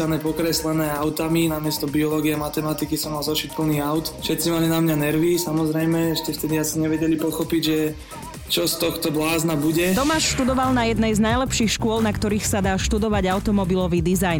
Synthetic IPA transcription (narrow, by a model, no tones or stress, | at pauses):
anɛːpɔkɾɛslɛnɛːaʊt̪aminamɪɛst̪ɔbiɔlɔɡiɛamat̪ɛmat̪ikisɔmːalzɔʃic̚pl̩niːaʊt̪fʃɛt̪t͡simalinamɲanɛɾʋisamɔzɾɛjmɛɛʃcɛft̪ɛd̪iasiɲɛʋɛɟɛlipɔxɔpiɟʒɛ | t͡ʃɔst̪ɔxt̪ɔblaːznabuɟɛt̪ɔmaːʃʃt̪ud̪ɔʋalnajɛd̪nɛjznajlɛpʃiːxʃkʊɔlnakt̪ɔɾiːxsad̪aːʃt̪ud̪ɔʋaɟaʊt̪ɔmɔbilɔʋiːd̪izajn